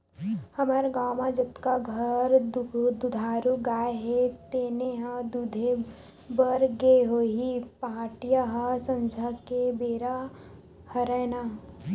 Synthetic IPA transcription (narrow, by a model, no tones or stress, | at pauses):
hɐməɾɡaːmad͡ʒɐt̪kaɡʱɐɾdd̪ud̪ʱaːɾuɡaːeɦet̪eːneɦãd̪ud̪ʱe | bəɾɡeɦoːɦipaːʈijaɦasɐ̃nd͡ʒʱakebeːɾa | hɐɾɛːna